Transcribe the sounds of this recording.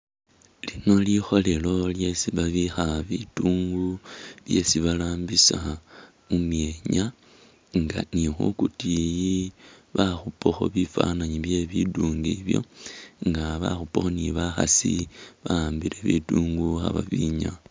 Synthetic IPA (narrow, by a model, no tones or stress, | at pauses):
lino̞lixo̞le̞lo̞lje̞siβaβixaβituːŋɡuβje̞siβalaːmbisa | umje̞ɲa | ŋɡa̰nixṵkutijiβaxupoxo̞̰βifa̰naɲiβje̞βiduːŋɡiβjo̞̰ŋɡaβa̰xupoxo̞niβaxa̰sḭβaaːmbiɾe̞βḭtuːŋɡuxa̰βa̰βiɲa